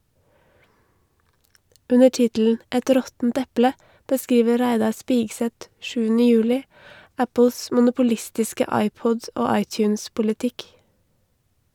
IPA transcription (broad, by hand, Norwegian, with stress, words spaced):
ˈʉnə ˈʈɪtl̩n̩ ˈɛt ˈɾɔtn̩t ˈɛplə bəˈskiːʋə ˈɾæɪdɑ ˈspɪɡsɛt ˈʃʉːnɪ ˈjʉːlɪ ˈæpʊs mʊnʊpʊˈlɪstɪskə ˈɑɪˌpɔd ˈoː ˈɑɪˌtjʉːnspʊlɪˌtɪk